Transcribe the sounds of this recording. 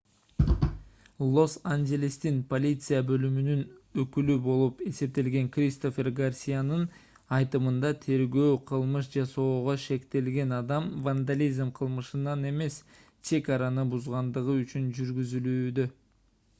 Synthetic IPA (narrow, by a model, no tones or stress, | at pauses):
lˠo̞sanɡelʲist̪inpo̞lʲit̪sɨjabø̞lymynynøkylybo̞lˠupe̞se̞p̚t̪e̞lɡe̞ŋkrʲist̪o̞fʲe̞rɡarsʲijanɯn | ɑjt̪ɯmɯnd̪ɑt̪ʰe̞ɾɡø̞ːqʰɯlˠmɯʃd͡ʒɑso̞ːʁo̞ʃe̞kt̪e̞lɡe̞nɑd̪ɑmvand̪alʲizmqʰɯlˠmɯʃɯnɑne̞me̞s | t͡ʃe̞kɑɾanɯbuzʁɑnd̪ɯʁɯyt͡ʃynd͡ʒyɾɡyzylyːd̪ø